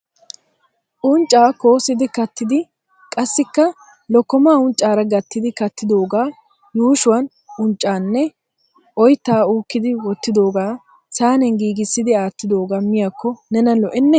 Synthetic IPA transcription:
ʔʊnt͡ʃʼːaːko̞ːsɪd̪ɪkɐt̪ːɪd̪ɪ | kʼɐsːɪkːɐ | lɔkːɔmaːʊnt͡ʃʼːaːɾɐɡɐt̪ːɪd̪ɪkɐt̪ːɪd̪oːɡaː | juːʃʊwɐn | ʊnt͡ʃʼːaːnːɛ | ʔɔjt̪ːaːuːkːɪd̪ɪwɔt̪ːɪd̪o̞ːɡaː | saːnɛŋɡiːɡɪsːɪd̪ɪaːt̪ːɪd̪o̞ːɡaːmɪjaːkːɔnɛnɐlɔʔɛnːɛ

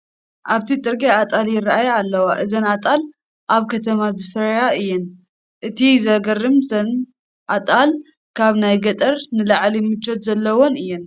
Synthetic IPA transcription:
ʔaβt̪ʰit͡sʼɨɾɡeat̪ʼaljɪraʔajalːɐwaʔɨzɐnat̪ʼal | ʔaβkʰɐt̪ʰɐmazɨfɾɐjaɨjːɛn | ʔɨt̪ʰizɐɡɐrɨmzɐn | ʔat̪ʼal | kʰaβnajɡɐt̪ʼɐɾnɨlaʕlimɨt͡ʃʰʼːɐt̪zɐlːɐwonɨjːɛn

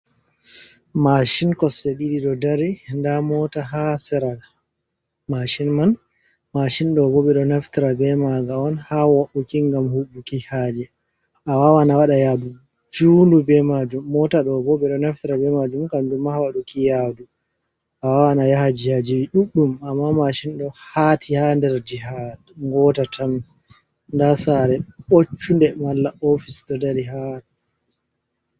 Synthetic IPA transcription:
maʃinkɔsːeɗiɗiɗɔdaɾindamɔtaɦasɛɾal | maʃinman | maʃinɗɔbɔɓɛɗɔnaftiɾabɛmaɡaɔnhawɔʔukiŋɡamhuɓːukihad͡ʒɛ | ʔawawanawaɗajabu | d͡ʒundubɛmad͡ʒumːɔtaɗɔbɔɓɛɗɔnaftiɾabɛmad͡ʒumkamdumːahawaɗukijadu | ʔawawanajahad͡ʒihad͡ʒiwiɗuɗːumamːamaʃinɗɔhatʰihandɛɾd͡ʒiɦadŋɡɔtatʰan | ndasaɾɛɓot͡ʃːundɛmalːaʔofisɗɔdaɾiɦa

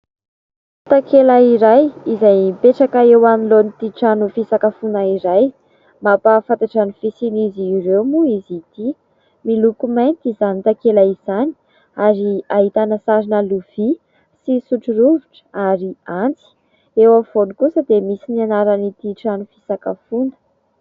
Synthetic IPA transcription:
t̪akelaiɾajizajpeʈ͡ʂakaewaminlonit̪iʈ͡ʂanufisakəfunaiɾaj | mapafant̪aʈ͡ʂanufisiniziːɾewmuizit̪i | milukumajnt̪izanit̪akelaiz̥ani̥ | aɾiaɦit̪anəsaɾinəluv̥i | sisuʈ͡ʂuɾuviʈ͡ʂə̥aɾiant͡si̥ | ewav̥onikusəd̪emisinianaɾənit̪iʈ͡ʂanufisakafunə̥

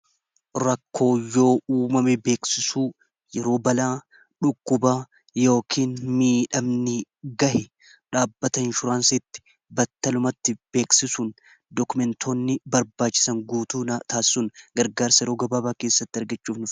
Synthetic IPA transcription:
ɾɐkːo̞ːjo̞ːuːmɐmɛbe̞ːksɪsuː | jɛɾo̞ːbɐlaː | ᶑʊkːʊbaː | jo̞ːkʰiːnmiːᶑɐmnɪɡɐhɪ | ᶑaːbːɐt̪ɐɪnʃʊɾaːnsɪt̪ːɪ̥ | bɐt̪ːɐlʊmɐt̪ːɪb̥e̞ːksɪsuːn | d̪ɔkʊmɛnt̪ʰoːnːɪbɐɾbaːt͡ʃːɪ̥sɐŋɡuːt̪uːnt̪aːɪ̥sʊnɡɐɾɡaːɾsɐjɛɾo̞ːɡɐbaːbaːke̞ːsːɐt̪ːɪɐɾɡɐt͡ʃːuːfnʊf

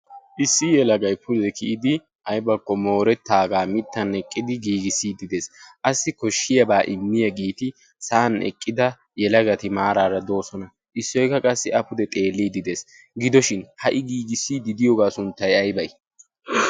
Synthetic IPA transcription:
ʔɪsːɪjɛlɐɡɐjpʰʊd̪ɛkɪʔɪd̪ɪ | ʔɐjbɐkːɔmo̞ːɾɛt̪ːaːɡaːmɪt̪ːɐnɛkʼːɪd̪ɪɡiːɡɪsːiːd̪ɪd̪e̞ːsʔɐsːɪkɔʃːɪjɐbaːʔɪmːɪjɐɡiːt̪ɪ | saːnɛ̰kʼːɪd̪ɐ | jɛlɐɡɐt̪ɪmaːɾaːɾɐd̪o̞ːsɔnɐ | ʔɪsːɔjkɐkʼɐsːɪɐpʊd̪ɛt̪ʼe̞ːlːiːd̪ɪd̪e̞ːs | ɡɪd̪ɔʃɪnhɐʔɪɡiːɡɪsːiːd̪ɪd̪ɪjɔɡaːsʊnt̪ːɐjɐjbɐj

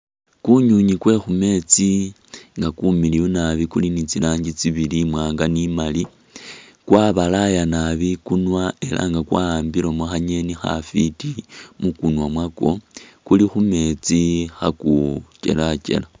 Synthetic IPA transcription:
kuɲuɲikwe̞xume̞t͡si | ŋɡakumilijunaβikulinit͡silaːɲɟit͡siβilimwaːŋɡanimali | kwaβalajanaβikunwae̞lʔa̰ŋɡakwambiɾomaxaɲe̞nixa̰fitimukunwamwako̞kulixume̞t͡sixakut͡ʃe̞̰lat͡ʃe̞̰la

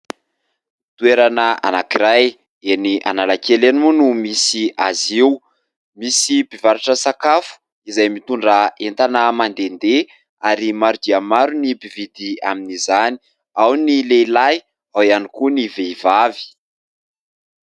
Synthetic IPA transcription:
t̪ueɾanəa̰nakiɾaj | eniʔa̰nalakelenimunumisiaziw | misibivaɾiʈ͡ʂəsakafu̥ | izajmit̪uɳɖ͡ʐaent̪anəmand̪end̪e | aɾimaɾud̪iamaɾunibivid̪iaminizani̥ | awnileilaj | awianikuniveivavi̥

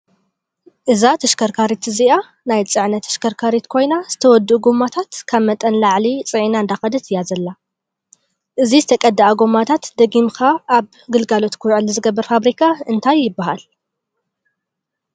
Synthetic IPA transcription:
ʔɨzat̪ʰɨʃkʰɐɾkʰaɾit̪ɨzia | najt͡sʼɨʕnɐt̪ʰːɨ̥ʃkʰɐɾkʰaɾit̪kʰo̞jnaz̥ɨt̪ʰɐwɔd̪ːuʔuɡomat̪ʰat̪kʰaβmɐt̪ʼɐnlaʕlit͡sʼɨʕinaɨnd̪axɐd̪ɨt̪ʰɨjazɐlːa | ʔɨzizɨt̪ʰɐkʼɐd̪ːaaɡomːat̪ʰat̪d̪ɐɡimkaːβ | ɡɨlɡalo̞t̪kʰuwʕɨlizɨɡɐbːɐɾfaβɾikʰaɨnt̪ʰajːɪbːaɦa̰l

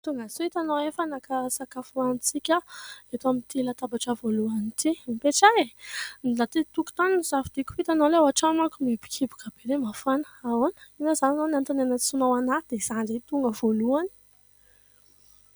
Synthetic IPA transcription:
t̪uŋɡasuit̪anowefanakəsakafuanit͡sikʲaet̪amint̪ilat̪abaʈ͡ʂəvoluanit̪imipeʈ͡ʂaenlat̪it̪uku̥t̪aninz̥avid̪̥iku̥fit̪anoleawaʈ͡ʂamakumibi̥kʰibu̥kab̥eɾemafanə̥awonə̥inazananonant̪anenət͡sunawanaid̪̥ez̥aɳɖ͡ʐet̪uŋɡəvoluani̥

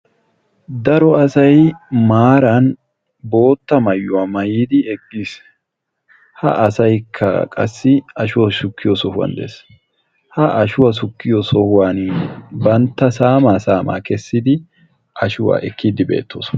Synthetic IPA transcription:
d̪ɐɾɔɐsɐjmaːɾɐn | bo̞ːt̪ːɐmɐjːʊwaːmɐjiːd̪ɪɛɡʼːiːs | hɐ̰ʔɐsɐjkʰːɐ̰kʼɐ̰sːɪɐʃʊwɐsʊkːɪjɔsɔhʊwɐ̰nd̪ḛːs | hɐʔɐʃʊwɐs̬ʊkːɪjɔsɔhʊwanbɐnt̪ːɐsaːmaːsaːma̰ːkɛsːɪd̪ɪ | ʔɐʃʊwa̰ːʔɛkʰːiːd̪ɪbe̞̰ːt̪ʰːo̰ːs

